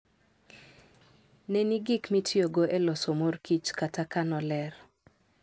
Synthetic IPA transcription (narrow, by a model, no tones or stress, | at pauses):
neniɡɪkmitʰjoɡoʔelɔsomorkit͡ʃkatakanɔlɛr